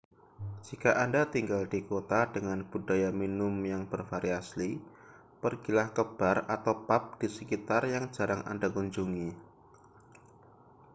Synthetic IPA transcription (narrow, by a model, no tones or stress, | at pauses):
d͡ʒikaʔandat̪iŋɡaldikot̪adəŋanb̥udajaminʊmjaŋb̥ərfaɾiasli | pərɡ̥ilahkəb̥arat̪awpap̚d̥isəkit̪arjaŋd͡ʒa̤ɾaŋʔa̰ndakuɲd͡ʒuŋi